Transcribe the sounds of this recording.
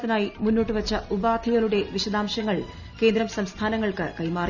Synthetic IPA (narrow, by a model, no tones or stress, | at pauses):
t̪ːinaːjimunːoːʈːɨʋɐt͡ɕːɐubaːd̪ʰʱiɣɐɭuɽe̞ʋiɕɐd̪aːmɕɐŋːɐɭ | ke̞ːnd̪ɾɐmsɐmst̪ʰaːnɐŋːɐɭkɨkɐjmaːr